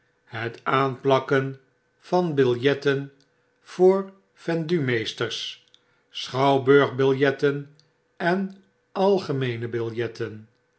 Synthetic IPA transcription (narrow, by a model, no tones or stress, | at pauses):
ɦətaːnplɑkən | v̥ɑnbɪlˠjɛtən | v̥oːɹ | fɛndymejstərs | sχɑwbøɹχbɪlˠjɛtən | ɛn | ɑlˠχəmejnəbɪlˠjɛtʰən